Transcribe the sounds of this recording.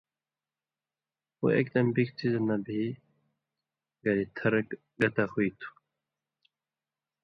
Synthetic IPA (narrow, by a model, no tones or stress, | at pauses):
o̰ḛk̚d̪ɐmbikt͡sʰiznabi | ɡɐɾit̪ʰɐɾk | ɡɐt̪axuit̪ʰu̥